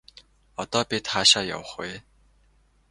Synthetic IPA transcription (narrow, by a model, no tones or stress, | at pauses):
ɔt̪ɔːpʲit̪χaːʃaːja̰wə̆χwe